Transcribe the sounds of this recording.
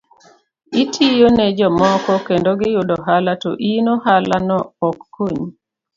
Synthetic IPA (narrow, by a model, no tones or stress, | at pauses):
itʰijoned͡ʒɔmɔkɔkendoɡɪjʊdɔɦalatɔ̰ʔinohalanɔːkːoɲ